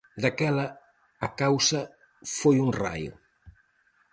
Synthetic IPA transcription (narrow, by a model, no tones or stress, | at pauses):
d̪ɐkɛlɐː | kawsɐ | fojunra̰jṵ